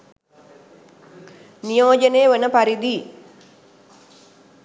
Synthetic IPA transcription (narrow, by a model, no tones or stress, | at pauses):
nijoːd͡ʒənejːəʋənəpaɾid̪i